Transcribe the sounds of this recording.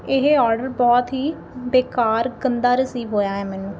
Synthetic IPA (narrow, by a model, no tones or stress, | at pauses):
ɪɦeɔːɾɖəɾbɔːt̪ɦiː | beːkaːɾɡənd̪aːɾəsiːʋɦoːjaːɦɛːmɛːnũː